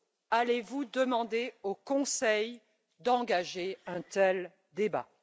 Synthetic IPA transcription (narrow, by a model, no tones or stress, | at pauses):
alevud̪əmɑ̃d̪eokɔ̃sɛj | d̪ɑ̃ɡaʒeɛ̃t̪ɛl | d̪eba̰